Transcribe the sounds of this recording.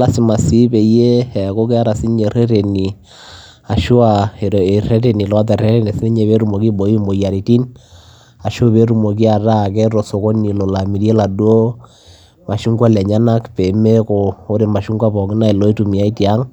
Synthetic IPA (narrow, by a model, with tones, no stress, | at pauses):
la˦si˨ma˨si˦be˨˦je˦ɛ˨ko˦kɛ˦a˦ɾa˨si˦ɲe˨ɾɛ˦ɾe˨ni˨ | a˨ʃu˦a˨e˨ɾe˨rɛ˦ɾe˨ni˨lɔ˦tɛ˨rɛ˦ɾe˦ne˨sni˦ɲe˨βe˦ɾu˦mo˨ki˦bo˨i˦mbo˨ja˨ɾi˨ti˦n | a˨ʃo˦βe˦ɾu˨mo˨k̬i˦a˨ɾa˦˨kɛ˦ɾɔ˨so˨ko˦ni˨lo˨la˨mi˨ɾje˦la˨du˦o˦ | ma˨ʃu˦ŋɡwa˦lɛ˨ɲa˦na˦kpe˨me˦ko˨o˦ɾe˨ma˨ʃu˦ŋɡwa˦pɔ˨ŋɪ˦na˦e˨lo˦i˦tu˨mi˨a˦i˦tia˦ŋ